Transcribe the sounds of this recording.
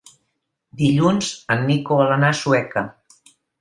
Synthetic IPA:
d̪iʎunzənːikoələnasuɛkə

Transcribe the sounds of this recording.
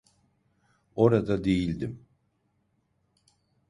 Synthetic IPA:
o̞ɾad̪ad̪e̞jilʲd̪im

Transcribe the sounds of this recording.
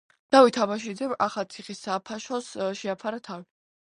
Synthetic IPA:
d̪̥awit̪ʰabaʃ̬id̪zɛmaχalt̪sʰiχisːapʰaʃɔsʃɛapʰaɾat̪ʰavi

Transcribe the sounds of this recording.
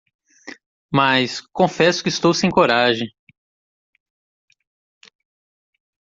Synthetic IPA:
mɐskõfɛsʊ̥kɪːst̪owsẽj̃koɾaʒẽ

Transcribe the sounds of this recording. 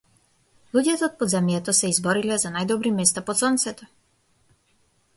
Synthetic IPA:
lˠuɟɛt̪ɛːt̪̚pɔd̪zamjɛt̪ɔsɛizbɔɾilɛzanajd̪ɔbɾimɛst̪apɔt̪sɔnt̪sɛt̪ɔ

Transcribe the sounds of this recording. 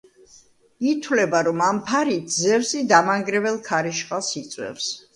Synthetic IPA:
it̪ʰwlɛbaɾɔmampʰaɾit̪̚ʰzɛvsid̪amaŋɡɾɛvɛlˠkʰaɾiʃqʼasit̪sʼwɛ̰fs

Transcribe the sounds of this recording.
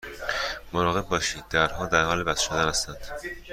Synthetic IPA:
moɾɒːɣe̞b̚bɒːʃiːd̪̚ːæɾhɒːd̪æɾhɒːlebæsʃod̪ænæst̪ænd̪̥

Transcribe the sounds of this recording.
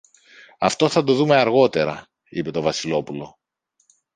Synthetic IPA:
ɐft̪o̞θɐd̪o̞ðume̞ɐɾɣo̞t̪e̞ɾɐ̰ | ipe̞t̪o̞vɐsilo̞pulo̞

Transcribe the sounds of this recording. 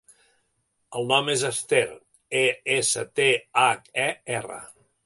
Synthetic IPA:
əlˠnɔmezəst̪eɾ | eesə̰t̪eaɛɛrə̰

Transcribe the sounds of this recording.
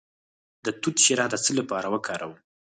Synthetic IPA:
d̪ət̪ut̪ʃiɾɑd̪ət͡səlapɑɾawəkʰɑɾawu

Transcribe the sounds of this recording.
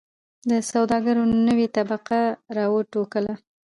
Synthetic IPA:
d̪əsawd̪ɑɡaɾonəwet̪abaqaɾɑwəʈokəla

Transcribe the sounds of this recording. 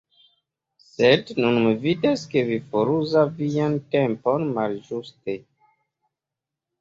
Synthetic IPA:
sednunmividaske̞vifoɾuzavijantempo̞nmalʒuste

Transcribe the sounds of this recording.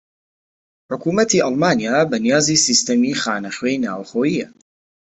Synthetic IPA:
ħʊkuːmɐt̪ʰiʔɐlmaːnijaːbɐnijaːziːsist̪ɐmiːxaːnɐxwejna̰ːwxoːjijɐ

